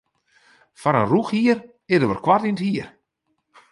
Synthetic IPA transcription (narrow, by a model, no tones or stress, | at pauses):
faɾənruxhiər | ɪdəʋərkwatinthiər